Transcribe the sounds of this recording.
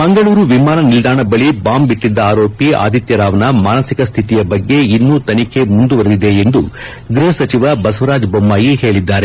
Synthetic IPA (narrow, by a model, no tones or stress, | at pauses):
mɐŋɡɐɭuːɾuʋimaːnɐnild̪aːɳɐbɐɭibaːmbiʈːid̪ːɐaːɾo̞ːpia̰ːd̪ʱit̪jɐɾaːʋɐnɐmaːnɐsikɐst̪ʰit̪ijɐbɐɡːe̞inːuːt̪ɐnikʰe̞mund̪uʋɐɾd̪id̪e̞end̪u | ɡɾiɦɐsɐt͡ʃiʋɐbɐsʋɐɾaːd͡ʒbɐmːaːjihe̞ːɭid̪ːaːɾe̞